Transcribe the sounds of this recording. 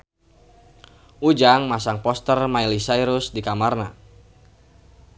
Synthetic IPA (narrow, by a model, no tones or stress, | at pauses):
ʔud͡ʒaŋmasaŋpɔst̪ərmailisaiɾʊsdikamarna̰